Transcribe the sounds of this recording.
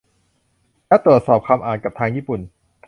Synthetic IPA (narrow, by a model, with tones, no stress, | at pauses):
lɛː˦˥wt̪ɾu˨˩ət̪̚sɔː˨˩p̚kʰaː˧mʔaː˨˩nka˨˩p̚t̪ʰaː˧ŋjiː˦˥˩pu˨˩n